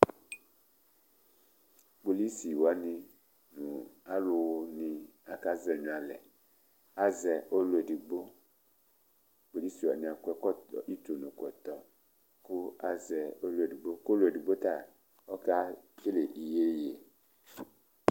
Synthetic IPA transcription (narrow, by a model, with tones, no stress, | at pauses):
bo˨li˦si˨wa˨˦nĩ˧ | nũ˨a˦lo˧wo˧nĩ˧a˨ka˦zɛ˨ɲũ˨a˨lɛ̰˨ | a˦zɛ˨ʔo˦lu˦e˨di˨ɡ͡bo˦ | bo˨li˦si˨wa˨nĩ˨a˨ku˦ɛ˦kɔ˦ɔ˨i˦to˨nũ˨kɔ˨t̪ɔ˨ | ku˦a˦zɛ˨o˦lu˦e˨di˨ɡ͡bo˦ko˦lo˦˨e˨di˨ɡ͡bo˦t̪a˦˨ | ɔ˦ka˦e˦le˨ʔi˨je˦je˨